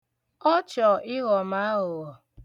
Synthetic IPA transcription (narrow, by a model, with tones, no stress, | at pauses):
ɔ˦t͡ʃɔ˨ʔɪ˦ɣɔ˨ma˨˦ɦʊ˨ɣɔ˨